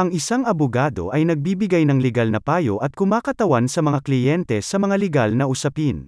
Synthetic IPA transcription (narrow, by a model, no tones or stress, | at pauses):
ʔɐŋɪsaŋɐbʊɡaːd̪o̞̰ʔɐjnɐɡ̚biːbɪɡajnɐŋlɛɡalnɐpaːjo̰ʔɐt̪̚kʊmaːkɐt̪ɐwansɐmɐŋaklɪjɛnt̪ɛsɐmɐŋalɛɡalnɐʔʊsɐpin